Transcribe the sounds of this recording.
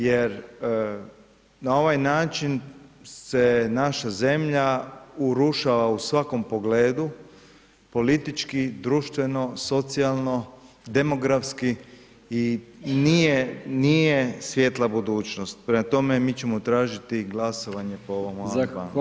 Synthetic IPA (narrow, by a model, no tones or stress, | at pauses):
jeɾ | nao̞ʋajnaːt͡ʃinse̞naʃaze̞mʎauɾuʃaʋausʋako̞mpo̞ɡleːd̪u | po̞lit̪it͡ʃkid̪ɾuʃt̪ʋe̞no̞so̞t̪sialˠno̞ | d̪emo̞ɡɾafski | inijeniːjesʋje̞t̪lˠabud̪uːt͡ʃno̞st̪̚pɾemat̪o̞me̞miːt͡ɕemot̪ɾaːʒit̪iɡlaso̞ʋaɲe̞pooʋoma